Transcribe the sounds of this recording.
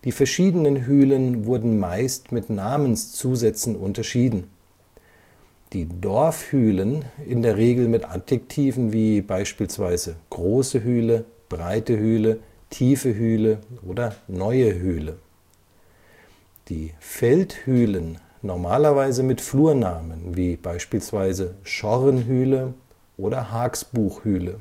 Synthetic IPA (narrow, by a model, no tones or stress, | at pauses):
d̥iːfɛɐʃiːdənənɦyːlənvʊɐdn̩maɪstmɪtnaːmənst͡suːzɛt͡sn̩ʔʊntɐʃiːdn̩ | d̥iːdɔɐfhyːlənɪndeːɐʁ̞eːɡl̩mɪtʔa̰tɛktʰiːvn̩viːbaɪʃpiːlsv̥aɪzəɡ̥ʁoːsəɦyːlə | b̥ʁaɪtəhyːlə | tʰiːfəɦyːləʔoːdɐnɔʏəɦyːlə | d̥iːfɛlthyːlən | nɔɐmaːlɐvaɪzəmɪtfluːɐnaːmənviːb̥aɪʃpiːlsv̥aɪzəʃɔʁənɦyːlə | ʔoːdɐhaːksb̥uːxhyːlə